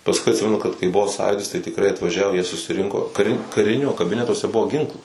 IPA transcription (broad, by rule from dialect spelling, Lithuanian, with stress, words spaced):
pɐsˈkʊɪ ɐtʲˈsʲɪmʲɛnʊ kɐt kɐɪ ˈbʊʋoː ˈsɑːjuːdʲɪs tɐɪ tʲɪkˈrɐɪ ɐtʋɐˈʒʲæːʋoː jiɛ sʊsʲɪˈrʲɪŋkoː kɐˈrʲɪ kɐˈrʲɪnʲoː kɐˈbʲɪnʲɛtuɔsʲɛ ˈbʊʋoː ˈɡʲɪŋklˠuː